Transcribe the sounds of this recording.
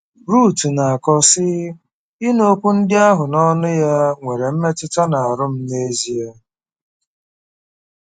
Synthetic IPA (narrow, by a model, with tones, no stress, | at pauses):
ɾu˦˨tna˨a˨kɔ˦sɪ˦ | ɪ˦no˦kʷu˦n̩˦dɪ˦a˦ɦʊ˨nɔ˦nʊ˦ja˦ŋʷe˨ɾe˨m̩˦me˦t͡ʃɪ˦ta˦na˨a˨ɾʊ˦m̩˦ne˦zi˦a˦